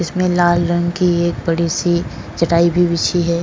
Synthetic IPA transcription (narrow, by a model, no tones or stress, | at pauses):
ɪsmẽlaːlɾə̃ŋɡkieːk̚bɐɽisi | d͡ʒɐʈaːibʱiʋɪt͡ʃʰiɦɛː